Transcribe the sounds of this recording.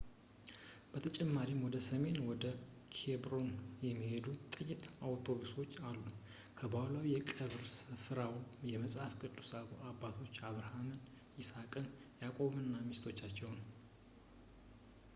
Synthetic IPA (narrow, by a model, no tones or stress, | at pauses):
b̥ət̪ʰət͡ʃʼɛmːaɾimwɔd̪əsəme̞nwɔd̪ə | kʰebɾo̞njɛmːihe̞d̪ut̪ʼɨjːɪt̪awt̪ʰo̞βuso̞t͡ʃːalːu | kʰəbahlawijɛkʼəβɾsɨfɨɾawjɛməsʼhafkʼɨt̪ʼːusaβṵʔabːat̪ʰo̞t͡ʃːaβɾəhamɨn | jɪsakʼɨnjakʼo̞mɨnːamist̪ʰo̞t͡ʃːat͡ʃːɛwn